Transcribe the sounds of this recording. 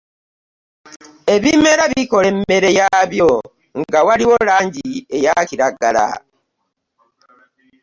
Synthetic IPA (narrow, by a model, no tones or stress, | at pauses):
e̞βime̞ɾaβiko̞le̞me̞ɾe̞jaβjo̞ | ŋɡawaliwo̞laːɲɟie̞jaciɾaɡa̰la̰